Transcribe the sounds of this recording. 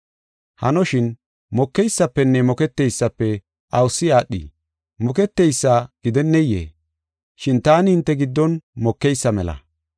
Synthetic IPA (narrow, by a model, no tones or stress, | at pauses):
hɐnɔʃɪn | mɔkːɛjsːɐpːɛnːɛmɔkɛt̪ːɛjsːɐpːɛ | ʔɐwʊsːɪaːɗḭ | mɔkɛt̪ːɛjsːaːɡ̥ɪd̪ɛnːɛjːḛː | ʃɪnt̪aːnɪhɪnt̪ːɛɡɪd̪ːɔnmɔkːɛjsːɐmɛlɐ̰